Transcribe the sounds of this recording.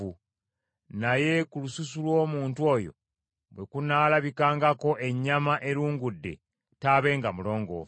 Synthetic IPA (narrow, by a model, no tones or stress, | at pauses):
u | naje̞kulususulwo̞ːmuːntuo̞jo̞̰ | βwe̞kunaːlaβikaːŋɡako̞ʔe̞ɲːamaʔe̞ɾuːŋɡudːe̞̰ | taːβe̞ːŋɡamulo̞ːŋɡo̰ː